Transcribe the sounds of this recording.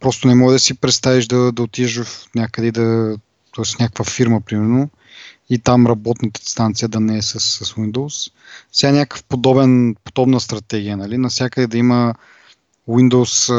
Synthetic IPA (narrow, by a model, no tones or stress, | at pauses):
pɾɔst̪ʊnɛmɔɡəd̪ɐsipɾɛt̪st̪aviʒd̪ɐd̪ɐot̪iʒəfnʲjakəd̪ɛd̪ɐ | t̪ɔɛsnʲakəkvəfiɾməpɾimɛɾno | it̪amɾɐbɔt̪nət̪əinst̪ant̪siəd̪ɐnɛɛsəsːɐswind̪ows | fsɛɡanʲakə̥fpod̪ɔbɛnpod̪ɔbnəst̪ɾɐt̪ɛɡʲijənɐlinɐfsjakəd̪ɛd̪ɐimə | wind̪os